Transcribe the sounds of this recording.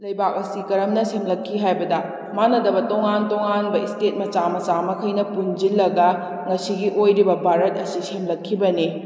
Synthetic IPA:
lɐjbak̚ɐsikɐɾɐmnɐsemlɐkʰːiɦajbɐdɐ | manɐdɐbɐtoŋantoŋanbɐistet̚mɐt͡ʃamɐt͡ʃamɐkʰɐjnɐpund͡ʒilːɐɡɐ | ŋɐsiɡiʔojɾibɐbʱaɾɐt̚ɐsisemlɐkʰːibɐni

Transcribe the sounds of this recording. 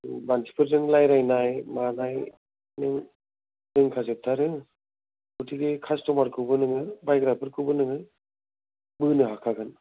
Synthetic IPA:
bantʰi̥pʰɯɾzɯŋlajɾajnajmanaj | nɯŋ | nɯŋkʰazɯp̚tʰaɾɯ | butiɡekʰastɔmaɾkʰɯwbɯnɯŋɯbajɡɾapʰɯɾkʰɯwbɯnɯŋɯ | bɯnɯɦakʰaɡɯn

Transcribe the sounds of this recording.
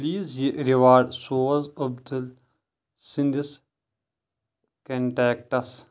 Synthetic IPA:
liːzjeʔɾiʋaːɾɖsoːɐzɐbd̪ɐl | sind̪is | kɐɳʈeːk̚ʈɐs

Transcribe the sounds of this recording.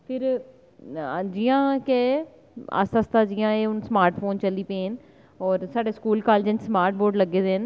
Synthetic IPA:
pʰɪɾ | d͡ʒɪjãːkeː | a̰səst̪aːd͡ʒɪjãːeːʊnsmaːɾʈpʰoːnt͡ʃəliːpẽːn | ɔːɾsaːɖeːskuːlkaːld͡ʒə̃nsmaːɾʈ̚boːɖləɡeːd̪eːən

